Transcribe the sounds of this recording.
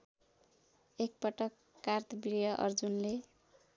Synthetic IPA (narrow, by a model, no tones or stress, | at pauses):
ek̚pʌʈʌkːart̪bɾjʌʔʌ̰rd͡zunle